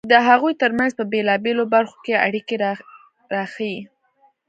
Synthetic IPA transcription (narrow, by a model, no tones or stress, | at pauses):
d̪əɦaɣujt̪əɾmanzpəbelɑbelobaɾxo̥kea̰ɽikeɾ | ɾɑxaji